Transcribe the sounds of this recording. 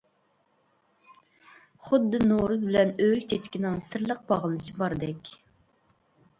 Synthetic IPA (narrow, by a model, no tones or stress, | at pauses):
χʊd̪ːɨnoɾuzbɪlɛnølʲt͡ʃʰɛt͡ʃkʲinɪŋsɨɾlˠəq̚bɑʁəlˠɨʃibɑɾd̪ɛkʲ